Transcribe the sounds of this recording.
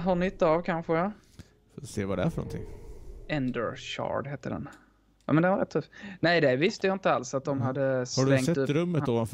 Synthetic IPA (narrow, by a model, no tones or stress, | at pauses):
ɦɵɳʏt̪ːaːvkʰanɧə | fseːvadɛæ̰ɾfœnɔ̰nt̪ʰɪ̰ŋːɛnd̪ə̰ɾɕɑ̰ɖheːt̪ːəɖɛ̰n | ja̰ːmɛnd̪ɛnvaɾɛt̪ʰːɵfːnɛjd̪ɛvɪst̪əjaɪnt̪əalsat̪̚d̪ɔmɦad̪ːəshaɖɵvɛŋksɛt̪ɵɾɵmːət̪ːoːvanf